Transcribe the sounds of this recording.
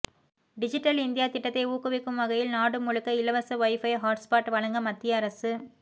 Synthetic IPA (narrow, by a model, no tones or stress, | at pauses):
ɖɪd͡ʒɪʈːɐlɪnd̪ɪjaːt̪ɪʈːɐt̪ːɐɪuːkɯʋɪkːɯmʋɐɣɐjɪlnaːɽɯmːʊɻɯkːɐɪlɐʋɐsɐʋɐɪfɐjɦaːʈspaːʈʋɐɭɐŋɡɐmɐt̪ːɪjɐɐɾɐsɯ